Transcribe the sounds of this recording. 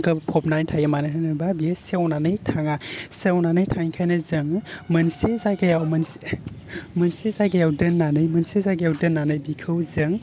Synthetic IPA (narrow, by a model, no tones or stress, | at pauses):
ɡɐpʰɔpnanjtʰajemanitʰanɯbabisewnanɯjtʰaŋasewnanɯjtʰaŋikʰajnɐzɯŋmɐnsezajɡajawmɐnse | mɐnsezajɡajawdɯnːanɯjmɐnsezajɡajawdɯnːanɯjbikʰɯwzɯŋ